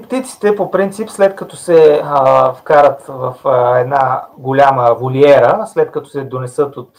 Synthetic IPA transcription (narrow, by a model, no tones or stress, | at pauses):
pt̪it̪si̥t̪ɛpopɾint̪sipslɛt̪kɐt̪osɛ | fkaɾət̪vɐfɛd̪naɡolʲaməvoliɛɾəslɛt̪̚kɐt̪o̥sɛd̪onɛsɤt̪ot̪